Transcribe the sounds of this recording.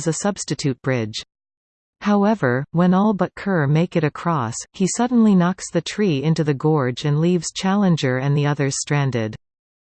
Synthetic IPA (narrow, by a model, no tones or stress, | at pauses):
zɨsʌb̥stɨtʰʉt̚b̥ɹɪ̥ʒ̥ | haʊɛvə˞wə̃nɔlˠbʌt̚kʰɜ˞meɪkɨɾɨkʰɹ̥ɔshisʌdⁿn̩linɑksðɨtʰɹ̥iɪ̃ntʉðɨɡɔɹd͡ʒɨ̃nlivz̥t͡ʃʰælˠə̃nd͡ʒə˞ɨ̃nðiʌðə˞z̥stɹ̥æ̃ndɪd̥